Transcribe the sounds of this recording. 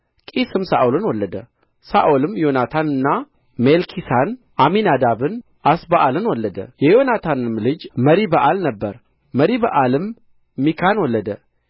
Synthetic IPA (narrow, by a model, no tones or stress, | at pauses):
kʼisɨmsaʔolɨnwɔlːəd̪ə | saʔolɨmjo̞nat̪ʰanɨnːa | melkʰisan | ʔaminad̪aβɨn | ʔasbəʔalɨnwɔlːəd̪ə̰jɛjo̞nat̪ʰanɨmlɨd͡ʒməɾibəʔalnəbːəɾ | məɾibəʔalɨmː | ikʰanwɔlːəd̪ə